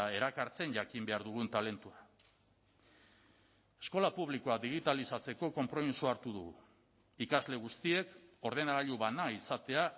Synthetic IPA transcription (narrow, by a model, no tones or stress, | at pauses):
e̞ɾakaɾt͡se̞nʝakimbe̞aɾðuɣ̞unt̪ale̞nt̪ua | e̞sko̞lapuβliko̞ad̪iɣ̞it̪alisat͡se̞ko̞ko̞mpɾo̞misuaɾt̪uðuɣṵ | ikazle̞ɣ̞ust̪ie̞ko̞ɾð̞e̞naɾaʎuβanaisat̪e̞a